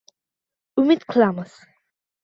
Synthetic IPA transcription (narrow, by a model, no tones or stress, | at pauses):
umit̪kʰlamas